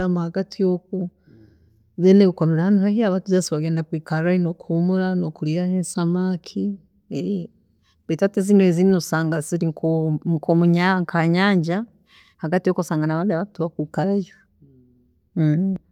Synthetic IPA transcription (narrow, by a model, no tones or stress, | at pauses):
amahaɡatʰijok̚o | zeneβikoɾeɾahanuhahiaβatuzasiβaɡeːndakwiːkaɾajinokuumuɾanokuɾijahensamaːkʰi | eɾi | βitateziːnoezinnosaːŋɡaziɾiŋkokomuɲaŋkʰaɲaːɲɟa | haɡatijokosaːŋɡanaβaːndiaβatuβakwiːkaɾajo